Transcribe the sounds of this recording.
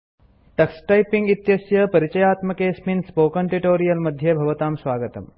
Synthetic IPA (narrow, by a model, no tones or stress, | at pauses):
ʈɐksʈɐjpiŋɡit̪jɐsjɐpɐɾit͡ʃɐjaːt̪mɐkeːsminspoːkɐɳʈiʈoːɾijɐlmɐd̪ʱjɐbʱɐʋɐt̪aːmsʋaːɡɐt̪ɐ̰m